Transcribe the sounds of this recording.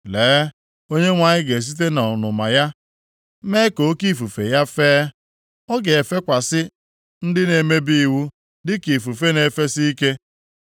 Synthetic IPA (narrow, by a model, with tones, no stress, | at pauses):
leː˨˦ | o˦ɲe˦ŋʷa˨ɲɪ˦ɡe˨s̬i˦t̬e˦na˨ʊ˨nʊ˨ma̰˨ja˦ | me˦ko˨˦ki˦˨fu˨fḛ˨ja˦feː˦ | ɔ˦ɡe˨e˨fe˦kʷa˨sɪ˦ | n̩˦dɪ˦ne˨me˦bi˦i˨wu˦ | dɪ˦ki˨fu˨fe˦ne˨fe˦si˦i˦ke˦